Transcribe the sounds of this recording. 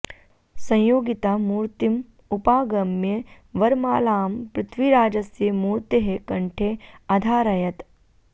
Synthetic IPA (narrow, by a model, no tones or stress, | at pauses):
sɐ̃jjoːɡit̪aːmuːɾt̪im | upaːɡɐmːje | ʋɐɾmaːlaːmpɾɪt̪ʰʋiɾaːd͡ʒɐsjemuːɾt̪eɦekɐɳʈʰeɐd̪ʱaːɾɐjɐt̪